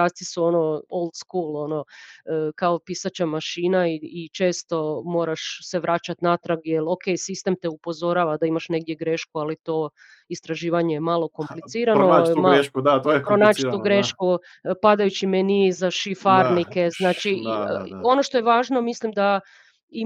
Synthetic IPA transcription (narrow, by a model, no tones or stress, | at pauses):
ast̪isuo̞no̞olˠd̪skuːlˠo̞no̞ | kaopiːsat͡ɕamaʃiːnaiːt͡ʃe̞ːst̪o̞mo̞ːɾaʃse̞ʋɾat͡ɕat̪nat̪ɾaɡjeloke̞jsist̪e̞mt̪e̞upo̞zo̞ɾaːʋad̪aimaʃne̞ɡ̚d̪je̞ɡɾeʃkualit̪o̞ː | ist̪ɾaʒiːʋaɲejemalˠo̞ko̞mplit̪siːɾanomaɾeud̪at̪ojpɾonaːt͡ʃiuɡɾeʃku | pad̪ajut͡ɕimenizaʃifaɾnike̞znaːt͡ʃi | o̞noʃt̪ojeʋaːʒno̞mislimd̪a | i